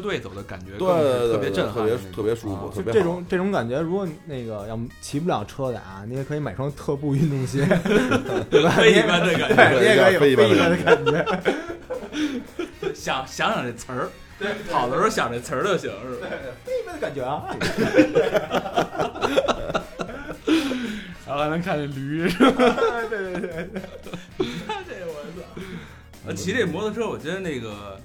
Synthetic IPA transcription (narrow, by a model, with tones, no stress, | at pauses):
t̪we˥˩ɪt͡so˨˩ʊd̪ə˦ka̰˨˩nt͡ɕɥɛ˧˥t̪we˥˩ɪ˥t̪pjɛ˧ʈ͡ʂə˥˩nʰɤ˥˩pjɛ˧˥t̪ʰɤ˥˩pjɛ˧˥ʂu˧˥fṵ˧˩t̪ʰːjʈ͡ʂɤ˥˩ʈ͡ʂʊ˧˥ŋʈ͡ʂɤ˥˩ʈ͡ʂʊ˧˥ŋka˨˩nt͡ɕɥɛ˧˥ɻu˧˥kwɔ˨˩ne˥˩ɪɡə˩jɑ˥˩ʊt͡ɕʰi˧˥p̬u˥˩jɑ˨˩ʊʈ͡ʂʰɤ˥d̪ə̰˨˩a˩ni˧˥wkʰɤ˧˥i˧˥ma˨˩ɪfɑ˥˧ŋt̪ʰɤ˥˧pu˥˧y˥˩t̪ʊ˥˧ŋɕi˥˩ | t̪we˥˩ba˩e˧i˥˧˩ba˥nd̪ə˨˩ka˨˩we˥˩ɪ˥˧˥e˥˧i˥pa˥˩nd̪ə˧ka˨˩nt͡ɕɥɛ˧˥˩ | ɕjɑ˨˩˦ŋɕjɑ˧˥ŋɕjɑ˨˩ŋʈ͡ʂə˨˩t͡sʰə˞˧˥˧ | p̪ʰɑ˨˩ʊd̪ə˦ʂo˥˩ʊɕjɑ˨˩ŋʈ͡ʂə˨˩t͡sʰə˧˥d̪ə˧ɕji˨˩ŋ˥˧fe˥ɪi˧˩a˧˥nd̪ə˧ka˨˩nt͡ɕɥɛ˧˥ɐ˧ | ɻxa˧ɪnə˧˥ŋkʰa˥˩nt͡ɕɛ˨˩nly˧˥˧t̪we˥˧t̪we˥˧e˥˧˩ | i˥˩a˥˧ʈ͡ʂe˥˩ə˨˩wə˧˥s | ə˥˧˩t͡ɕʰi˧˥ne˥˩mwɔ˧˥d̪ə˧ʂɻ̩˥o˧˩wɔ˨˩t͡ɕɥɛ˧˥d̪ə˧ne˥˩ɪɡə̰˩